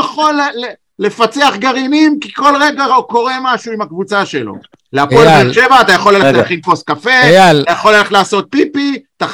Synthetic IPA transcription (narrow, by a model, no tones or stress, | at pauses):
aχo̞lː | le̞fat͡se̞aχɡaʁinimkiko̞lʁe̞ɡaʁoko̞ʁe̞maʃuimakvut͡saʃelo̰ | leapoleʁʃevaːt̪ajaχo̞lːeleaχimfoskafe̞at̪ajaχo̞leleχlaːso̞t̪̚pipit̪aχ